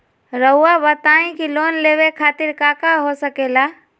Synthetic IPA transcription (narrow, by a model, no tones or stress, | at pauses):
ɾəɦʊabət̪aːĩkiloːnleːʋekʰaːt̪ɪɾkaːkaɦosəkeːlaː